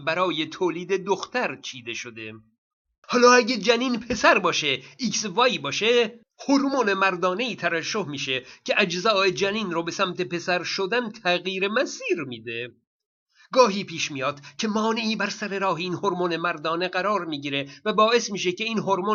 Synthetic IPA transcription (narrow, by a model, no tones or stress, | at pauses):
bæɾɒːje̞t̪ʰoːliːd̪ed̪oxt̪ʰæɾt͡ʃʰiːd̪e̞ʃod̪e̞ | hɒːlɒːæɟed͡ʒæniːnpʰe̞sæɾbɒːʃeiksvɒjbɒːʃe | hoɾmonemæɾd̪ɒːne̞iːt̪ʰævæʃːohmiːʃecʰeʔæd͡ʒzɒːed͡ʒæniːnɾobesæmt̪ʰe̞pe̞sæɾʃod̪ænt̪ʰæɣiːɾemæsiːɾmiːd̪e | ɡɒːɦiːpʰiːʃmijɒːd̪̥cʰe̞mɒːneiːbæɾsæɾe̞ɾɒːɦeinhoɾmone̞mæɾd̪ɒːne̞ɣæɾɒːɾmiːɟiːɾe̞væbɒːe̞smiːʃeceiːnɦoɾmo